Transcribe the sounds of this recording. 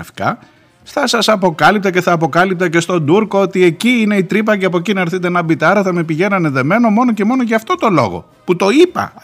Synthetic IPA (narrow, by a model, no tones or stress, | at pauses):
fkɐ | st̪ɐsɐsɐpo̞kɐlip̚t̪ɐce̞θɐːpo̞kɐlip̚t̪ɐce̞st̪o̞nd̪uɾko̞ot̪ie̞ciine̞it̪ɾip̬ɐceɐpo̞cinɐeɾθit̪̬enɐbit̪ɐɾɐθɐme̞piʝe̞nɐne̞ðe̞me̞no̞mo̞noce̞mo̞no̞ʝɐːft̪o̞t̪o̞lo̞̰ɣo̞̰ | put̪o̞ipɐ̰